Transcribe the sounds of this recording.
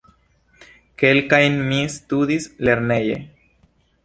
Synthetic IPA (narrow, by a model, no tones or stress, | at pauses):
ke̞lkajnmist̪udisle̞ɾne̞jḛ